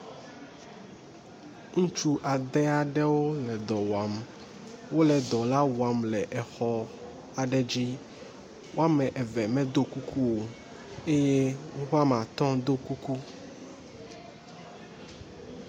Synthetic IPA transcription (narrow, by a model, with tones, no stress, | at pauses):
ŋũ˦t͡ʃu˦ʔa˨d̪ɛ˦a˨ɖɛ˦wo˦lɛ˨d̪ɔ˨wa˨m | wo˦lɛ˨d̪ɔ˨la˦wa˨mlɛ˨ʔɛ˨xɔ˦ | a˨ɖɛ˨d͡ʑi˦ | wʔo˦a˦mɛ̃˨ʔɛ˨vɛ˨mɛ̃˦d̪o˦ku˦kʰu˦wo˨ | e˦je˦ŋũ˦xo˦a˦mã˨t̪ɔ̃˦d̪o˦ku˦ku˦